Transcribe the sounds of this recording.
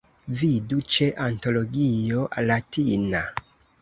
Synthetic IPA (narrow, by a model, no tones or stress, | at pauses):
vidut͡ʃeʔanto̞loɡiolatina